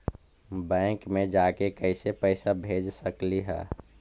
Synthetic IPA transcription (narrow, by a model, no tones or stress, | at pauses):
bɛ̃ːŋkmẽd͡ʒaːkekəɪsepəɪsabʱed͡ʒsəkliɦɛ̰ː